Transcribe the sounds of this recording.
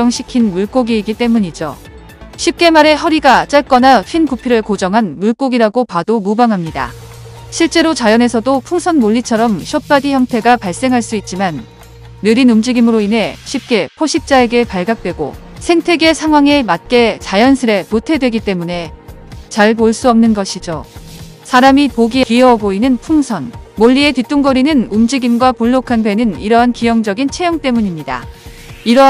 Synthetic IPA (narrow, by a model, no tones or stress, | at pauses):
ʌŋɕʰi̥kʰinmuɭk͈oɡiːɡit͈e̞muɲid͡ʑo̰ | ɕʰip̚k͈e̞maɾe̞ɦʌɾiɡat͡ɕ͈aɭk͈ʌnaɸʰinkupʰiɾɯɭkod͡ʑʌŋɦanmuɭk͈oɡiɾaɡopadomubaŋɦamɲida̰ | ɕʰiɭt͡ɕ͈e̞ɾot͡ɕajʌne̞sʰʌdopʰuŋsʰʌnmoʎːit͡ɕʰʌɾʌmɕʰjʌp̚p͈adiçjʌŋtʰe̞ɡapaɭs͈e̞ŋɦaɭs͈uit̚t͡ɕ͈imanː | ɯɾinumd͡ʑiɡimɯɾoinɦe̞ɕʰip̚k͈e̞pʰoɕʰip̚t͡ɕ͈ae̞ɡe̞paɭɡak̚t͈we̞ɡo̰ | sʰe̞ŋtʰe̞ɡe̞sʰaŋwaŋe̞mat̚k͈e̞t͡ɕajʌnsʰɯɾe̞potʰe̞dwe̞ɡit͈e̞mune̞ | t͡ɕaɭp̬oɭs͈uʌmnɯnɡʌɕʰid͡ʑo | sʰaɾamipoɡieiʌʌɡoinɯnpʰuŋsʰʌnmoʎːie̞tit͈uŋɡʌɾinɯnumd͡ʑiɡimɡwapuɭːokʰandwe̞nɯniɾʌɦankijʌŋd͡ʑʌɡint͡ɕʰe̞jʌŋt͈e̞muɲimɲida̰ | iɾʌ